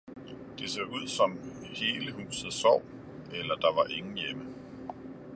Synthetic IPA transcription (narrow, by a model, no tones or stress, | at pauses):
d̥e̝sḛːuð̞̰ˠsɒ̽mhe̝ːləɦṵːsð̩ˠsɒʊ̰ | elɐd̥ɑ̈ʋɑ̈ʔe̝ŋn̩jemə